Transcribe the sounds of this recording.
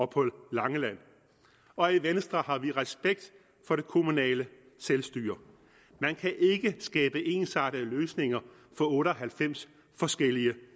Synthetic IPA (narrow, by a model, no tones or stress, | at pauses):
ɒ̽pʰɔlːɑ̈ŋəlæn̰ | ɒ̽iʋensd̥ʁɐhɑ̈ʋiʁɛsb̥eɡ̥̚d̥ | fɒ̽ɾ̥e̝kʰo̝munɛ̰ːlə | selsd̥y̰ːɐ | mænkʰæʔe̝ɡ̥əsɡ̥ɛːb̥əʔe̝ːnsɑ̈ɾ̥əløːsne̝ŋɐ | fɒ̽ɔ̽ːɾəɒɦælfem̰s | fɒ̽sɡ̥el̰iə